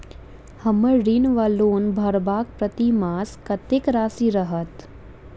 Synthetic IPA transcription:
hɐməɾinʋaːloːnbʱɐɾbaːk̚pɾɐt̪imaːskɐt̪ɪkɾaːsiɾɐɦət̪

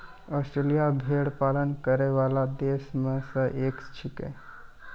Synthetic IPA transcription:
ɔːsʈɾeːlijabʱeːɽpaːlənkəɾeʋaːlad̪eːsmẽsəʔeːkst͡ʃʰɪkḛ̃

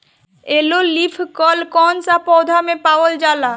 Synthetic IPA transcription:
elolipʰkɔlkɔnsapɔd̪ʱamepawold͡ʑala

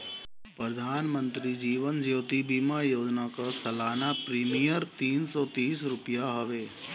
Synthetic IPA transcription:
pɾəd̪ʱaːnmə̃nt̪ɾid͡ʒiːʋənd͡ʒjoːt̪ibiːmãjoːd͡ʒnakasɐlaːnapɾiːmijəɾt̪iːnsɔt̪iːs̬ɾʊpjaɦəʋeː

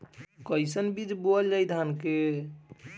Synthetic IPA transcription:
kəjsənbid͡ʒboəld͡ʒajd̪ʱanke

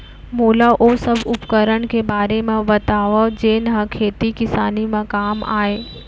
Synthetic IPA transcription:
moːlaʔosɐbʱʊpkəɾəɽkebaːɾemãbɐt̪aːʋad͡ʒeːnɦãkʰeːt̪ikɪsaːnimãkaːma̰ːeː

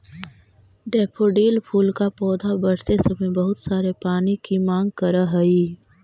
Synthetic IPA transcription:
ɖɛːpʰoːɖiːlpʰuːlkapɔːd̪ʱabɐɽt̪esɐmẽbɐɦʊt̪saːɾepaːnikimãːŋɡkɐɾaɦɐiː

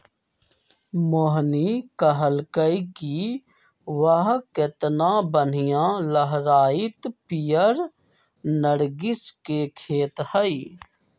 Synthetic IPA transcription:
moɦnikəɦəlkəiki | ʋəɦket̪nãːbən̤ijãːləɦɾaːɪt̪pijəɾ | nəɽɡɪskekʰeːt̪həi

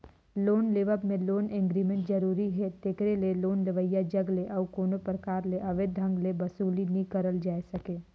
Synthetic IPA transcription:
loːnleːʋəbmẽloːnẽŋɡɾiːmẽʈzɐɾuːɾiɦɛt̪eːkɾeleloːnleʋəjad͡ʒɐɡleʔɔːkoːnopɾəkaːɾleʔɐʋed̪ʱɐ̃ŋɡlebɐsuːlinĩkɐɾəld͡ʒaːesɐkeː

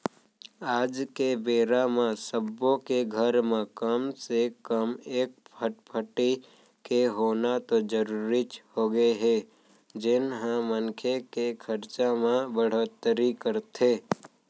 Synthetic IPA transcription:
aːd͡ʒkebeːɾamãsəbõkeɡʱəɾmẽkəmsekəmeːk̚pʰəʈpʰəʈi | keɦoːnat̪od͡ʒəɾuɾit͡ʃhoɡəeɦɛ | d͡ʒɪnɦãmənkʰekekʰəɾt͡ʃamẽbəɽ̤oːt̪ːəɾikəɾt̪ʰeː

